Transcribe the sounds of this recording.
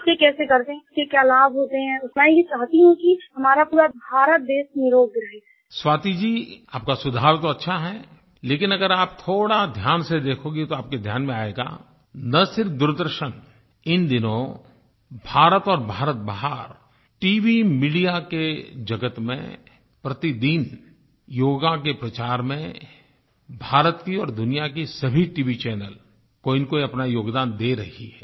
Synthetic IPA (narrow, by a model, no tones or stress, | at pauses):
kekɛːsekɐɾt̪eɦɛ̃ʊskekjaːlaːbɦoːt̪eɦɛ̃ʊsmãjet͡ʃaːɦt̪iɦɛ̃kiɦɐmaːɾapuːɾabʱaːɾət̪̚d̪eːʃnɪɾoːɡ̚ɡɪɾaːea | swaːt̪id͡ʒiːaːp̚kasʊd̪ʱaːɾt̪oɐtːʃʰaɦɛ | leːkɪnɐɡəɾaːpt̪ʰoːɽad̪ʱjaːnsed̪eːkʰoːɡit̪oaːp̚ked̪ʱjaːnmẽaːeːɡa̰ː | nɐsɪɾfd̪ʊɾd̪əɾʃən | ɪnd̪ɪnõ | bʱaːɾət̪ɔːɾbʱaːɾət̪̚baːɦəɾ | ʈiːʋimiɖijaked͡ʒɐɡət̪mḛ̃ | pɾɐt̪id̪iːn | joːɡakepɾɐt͡ʃaːɾmẽ | bʱaːɾət̪kiɔːɾd̪ʊnijakisɐbʱiʈiːʋit͡ʃɛːnəl | koːɪnkoiɐpnajoːɡd̪aːnd̪eːɾɐɦiɦɛː